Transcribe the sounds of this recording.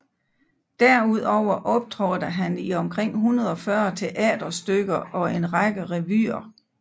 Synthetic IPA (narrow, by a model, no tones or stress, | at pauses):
d̥æɐuð̞̰ˠɒʊ̰ɐʔɒ̽b̥̚d̥ʰʁɒːd̥əɦæniɒ̽mkʰʁeŋ̰ɦunɐð̞ˠɒ̽fɶɐt͡sʰe̝ʔɛ̰ːd̥ɐsd̥øɡ̥ɐɒ̽e̝nʁɑɡ̥əʁɛʋy̰ːɐ